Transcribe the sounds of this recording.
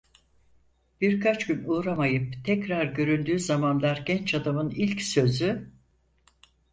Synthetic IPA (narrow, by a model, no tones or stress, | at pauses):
b̥iɾkʰat͡ʃɟynuːɾamajɯp̚t̪ʰɛcɾaɾɟø̞ɾynd̪yːzamanlˠaɾɟɛnt͡ʃad̪amɯnilʲcsø̞zy